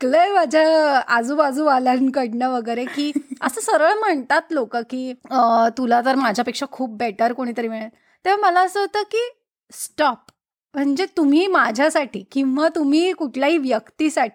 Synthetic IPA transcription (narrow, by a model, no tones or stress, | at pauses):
kləjmad͡ʑʱaəd͡zuːbad͡zũʋalankəɽnaʋəɡəjɾekiːəsəːsəɾəɭm̤əɳt̪at̪lokəkiːt̪ulat̪əɾmad͡ʑʱjapekʂakʰuːp̚beʈəɾkoɽ̃it̪əɾiːmiɭat̪ | t̪ːeʋ̤aməlaəsəɦot̪əːkiː | sʈɔp | m̤əɳd͡ʑet̪um̤iːmad͡ʑʱjasaʈʰiːkĩʋat̪um̤iːkuʈʰljaɦiːʋjəkt̪iːsaʈʰi